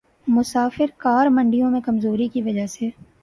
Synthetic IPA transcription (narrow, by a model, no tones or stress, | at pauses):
mʊsaːfɪɾkaːɾmɐ̃ɳɖijõmẽkɐmzoːɾikiʋɐd͡ʒaɦseː